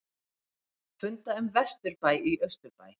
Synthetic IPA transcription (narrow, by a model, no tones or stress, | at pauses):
fʏnt̪aʏmvɛst̪ʏɾpaːjiœst̪ʏɾpa̰ːj